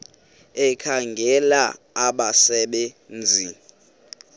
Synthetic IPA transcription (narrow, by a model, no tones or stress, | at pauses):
ɛkʰaŋɡʱɛla̰ | aɓasɛɓɛ | nd͡zʱi